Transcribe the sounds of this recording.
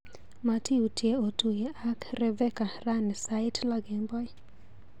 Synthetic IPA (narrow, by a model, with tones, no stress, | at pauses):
ma˨ti˦u˨tʰje˦o˨tu˨jɛ˨a˦kɾɛ˦vɛ˦ka˨ra˦nɛ˨sa˦ɪ˦tla˦ɡɪ˨mbɔ˦